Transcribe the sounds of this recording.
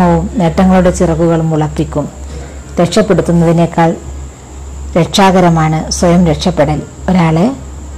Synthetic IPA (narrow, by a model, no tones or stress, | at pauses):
ɐʋumneʈːɐŋːɐɭuɽe̞t͡ɕirɐɣuɣɐɭumuɭɐpːikʲːum | t̪eʈʂɐpːe̞ɽut̪ːunːɐðine̞ːkːaːɭ | ɾeʈʂaːɣɐɾɐmaːɳɨswɐjɐmɾe̞ʈʂɐpːeɽɐl | o̞ɾaːɭe̞